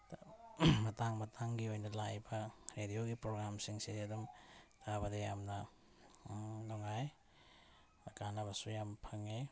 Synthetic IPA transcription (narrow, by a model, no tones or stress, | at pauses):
mɐtaŋmɐtʰaŋɡiojnɐlajbɐɾedioɡipɾoɡɾamsiŋsiɐdumtʰabɐdɐjamnɐ | nɔŋaj | ɐkanɐbɐsujampʰɐŋe